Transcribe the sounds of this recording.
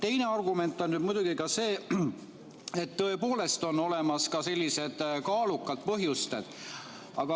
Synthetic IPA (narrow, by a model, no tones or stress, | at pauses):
t̪e̞jne̞ɑrɡume̞nt̪ːˑo̞nnyd̪̥mujd̪̥uɡ̥ikɑse̞ː | et̪ːɤe̞po̞ːle̞st̪o̞no̞le̞mɑskɑse̞lʲːise̞d̪̥kɑːlukːˑɑd̪̥̚pɤɦjust̪ed̪̥ | ɑɡ̥ɑ